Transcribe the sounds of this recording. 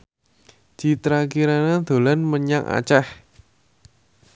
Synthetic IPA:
d̪̥i̤t̪ɾakiɾanad̪̥o̤lanməɲaŋʔa̰t͡ʃɛh

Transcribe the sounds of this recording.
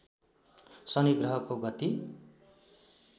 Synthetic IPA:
sʌniɡrʌɦʌkoɡʌt̪i

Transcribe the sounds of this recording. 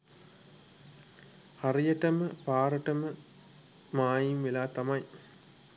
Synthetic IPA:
haɾijəʈəməpaːɾəʈəmə | maːjimʋelaːt̪amɐj

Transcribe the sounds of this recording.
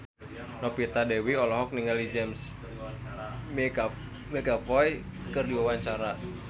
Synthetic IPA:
nɔpit̪adɛwiɔlɔɦɔk̚niŋəlid͡ʒɛms | mɛɡafɔj | kɨrdiwawaɲt͡ʃaɾa

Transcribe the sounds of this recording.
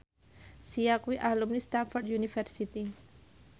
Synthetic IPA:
sijakuiʔalumnist̪anfɔrdjunifɛrsit̪i

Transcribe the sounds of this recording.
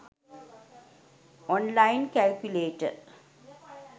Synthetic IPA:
ɔ̃nlãɪnkælkjuleːʈə̰

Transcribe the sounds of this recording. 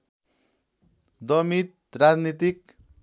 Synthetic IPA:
d̪ʌmit̪rad͡znit̪ik

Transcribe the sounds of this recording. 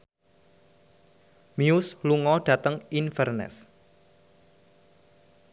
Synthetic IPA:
miusluŋɔɖ̥ä̤t̪əŋinfərnɛ̰s

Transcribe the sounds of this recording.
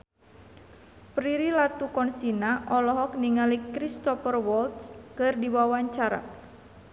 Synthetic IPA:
pɾiɾilat̪ukɔnsinaʔɔlɔɦɔkniŋalikɾist̪ɔfərwɔlt̪skɨrdiwawaɲt͡ʃaɾa̰

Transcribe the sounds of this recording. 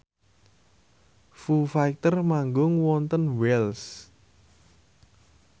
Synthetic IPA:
fufak̚t̪ərmaŋɡʊŋwɔnt̪ənwɛls

